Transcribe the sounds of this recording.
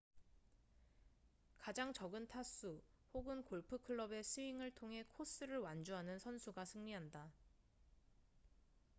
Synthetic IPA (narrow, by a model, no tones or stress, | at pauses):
kad͡ʑaŋt͡ɕʌɡɯntʰas͈uhoɡɯnkoɭpʰɯkʰɯɭːʌbe̞sʰɯiŋɯɭtʰoŋɦe̞kʰos͈ɯɾɯɭwand͡ʑuɦanɯnsʰʌnsʰuɡasʰɯŋɲiɦanda